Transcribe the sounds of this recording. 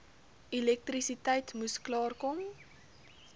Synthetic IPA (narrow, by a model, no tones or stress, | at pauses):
ilɛk̚trisitɛjtmusklɑːrkɔm